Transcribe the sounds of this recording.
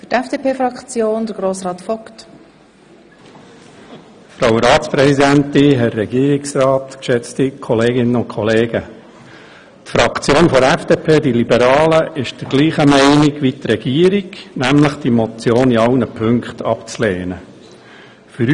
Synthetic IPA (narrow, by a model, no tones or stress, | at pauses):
fʏtɛfd̥eːpeːfɾɑkt͡sjoːnd̪əɾɡ̥ɾoːsɾɑːt̪fɔkt | fɾawɾɑːtt͡spɾɛsid̪ænt̪ɪɦɛːɛɡiːɾiksrɑːt̪kʃɛt͡stikʰɔleːɡɪnəʊntkʰɔleːɡ̥ə | t̪fɾɑkt͡sjoːnfɔɾɛfd̥eːpʰeːd̥ilibəɾɑːləʔɪʃd̥əɾɡ̥liːχəmɛɪnɪɡʋit̪rɛɡ̥iːəɾiɡnæmləχd̥imɔt͡sjoːniɑlnəpʰɵŋkχt̪ʰɑpt͡sleːnə | fʏɾ